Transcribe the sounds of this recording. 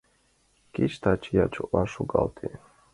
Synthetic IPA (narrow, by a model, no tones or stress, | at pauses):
kiʃt̪ʰat͡ʃʰijat͡ʃuʔaʃuɡa̰lt̪ʰi